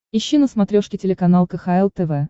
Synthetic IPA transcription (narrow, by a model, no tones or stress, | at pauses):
ɪɕːinəsmɐt̪ɾʲoʂkʲɪtʲɪlʲɪkɐnalˠkəxaɛlˠt̪ɛvɛ